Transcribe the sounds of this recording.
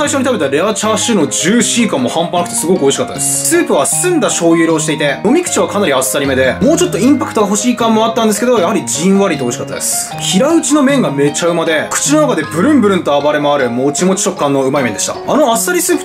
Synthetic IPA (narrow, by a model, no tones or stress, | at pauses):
saiɕo̞ɲ̟it̪abe̞t̪aɾe̞at͡ɕaːɕɨːno̞d͡ʑɨːɕiːkãmːo̞hãmpanakɯ̟t̪o̞sɨɡo̞kɯ̟o̞iɕikat̪ːad̪essɨ̥sɨːpɯ̟βasɨ̃nd̪aɕo̞ːjɯ̟ːɾo̞ːɕi̥t̪e̞it̪e̞do̞mʲikɯ̟̥t͡ɕiβ̞akanaɾʲiasɨ̥saɾʲime̞d̪e̞mo̞ːt͡ɕo̞t̪ːo̞ĩmpakɯ̟̥t̪o̞ɡaɦo̞ɕiːkãmːo̞at̪ːãnd̪esɨ̥ke̞d̪o̞jahaɾʲid͡ʑĩβaɾit̪ːoo̞iɕikat̪ːa̰d̪esɨ̥ | çiɾaɯ̟t͡ɕino̞mẽ̞ŋɡame̞t͡ɕaɯ̟mad̪ekɯ̟̥t͡ɕino̞nakad̪e̞bɯ̟ɾɯ̟̃mbɯɾɯ̟̃nt̪o̞abaɾemoaɾɯ̟mo̞ːt͡ɕimo̞t͡ɕi̥t͡ɕo̞kːãnːo̞ɯ̟maimẽ̞nd̪e̞ɕit̪a̰ano̞asɨ̥saɾʲisɨːpɯ̟̥